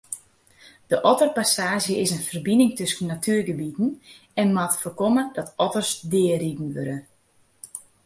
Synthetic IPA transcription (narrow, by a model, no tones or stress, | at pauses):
d̥əʔɔtərpasaːʒjəɪsənfərbinɪŋtøsənːatʰyərɡəbitn̩ | ɛnmatfərkomədɔtɔtərsdɪəridn̩ʋøɾə